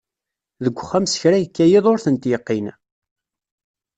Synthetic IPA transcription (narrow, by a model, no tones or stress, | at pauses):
ðəɡʷːχːæmsəçɾæjəkːæjeðˤoɾθənt̪jəqːin